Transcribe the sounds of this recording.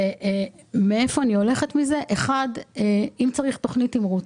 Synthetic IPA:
e | mee̞fo̞anio̞leχe̞tmize̞ʔeχadeimt͡saʁiχto̞χnitimʁu

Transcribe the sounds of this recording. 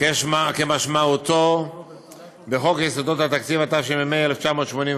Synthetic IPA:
kemakemaʃmaut̪o | beχo̞kjesod̪ot̪hat̪akt͡sivat̪afʃimemeaeleft͡ʃamo̞ːt̪ʃmo̞nĩ

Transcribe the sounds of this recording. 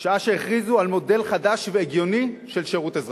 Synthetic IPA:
ʃaaʃeeχʁizualmo̞de̞lχadaʃveːɡjo̞niʃelʃeʁutezʁ

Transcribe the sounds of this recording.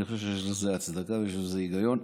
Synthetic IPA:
iχʃeʃ̬ejɛʃlezeat͡sd̪akavejeʃlezeiɡajo̞n

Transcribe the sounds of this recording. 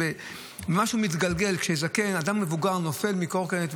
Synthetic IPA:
e | emaʃumit̪ɡalɡe̞lkʃejzake̞nad̪amːe̞vuɡaʁno̞fe̞lmikoʁkenet̪

